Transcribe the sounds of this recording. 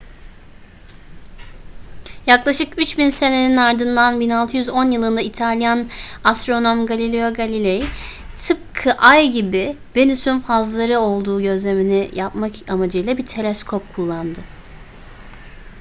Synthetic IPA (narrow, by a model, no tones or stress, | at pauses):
jaklˠaʃɯkyt͡ʃbinse̞ne̞ninaɾd̪ɯnd̪anbinalˠt̪ʰɯjyzo̞njɯlˠɯnd̪ait̪ʰalʲjanast̪ɾo̞no̞mɡalʲilʲeoɡalʲilʲej | t̪ʰɯp̚kʰɯʔajɟibi | be̞nysynfazlˠaɾɯo̞lˠd̪uːɟø̞zlʲe̞minijapmakamad͡ʒɯjlˠabit̪ʰe̞lʲeskʰo̞p̚kʰulˠːand̪ɯ